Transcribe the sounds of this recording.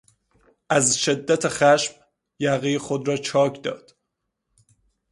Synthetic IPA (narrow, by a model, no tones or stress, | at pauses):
ʔæzʃe̞d̪ːæt̪ʰexæʃm | jæɣixod̪ɾɒːt͡ʃʰɒːkʰd̪ɒ̰ːd̪̥